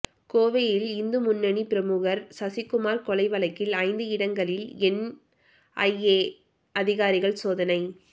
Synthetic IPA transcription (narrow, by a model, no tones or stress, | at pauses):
koːʋɐjɪlɪnd̪ɯmʊnːɐɳipɪɾɐmuːɣɐɾsɐsɪkːʊmaːɾkɔlɐɪʋɐɭɐɪkːɪlɐɪnd̪ɯɪɽɐŋɡɐɭɪlɛn | ʔɐ̰jeː | ɐðɪɣaːɾɪɣɐɭsoːðɐnɐɪ